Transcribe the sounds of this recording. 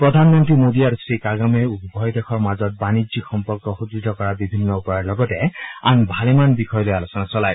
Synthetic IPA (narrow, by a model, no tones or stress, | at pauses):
pɹɔdʱanmɔntɹimodiaɹusɹikaɡamɛupbʱɔjdɛxʰɔɹmazɔt̚banizixɔmpɔɹkɔxudɹitɔkɔɹabibʱinːɔupɔɹaɹlɔɡɔtɛanbʱalemanbixʰɔjɔlojalosɔnasɔlaj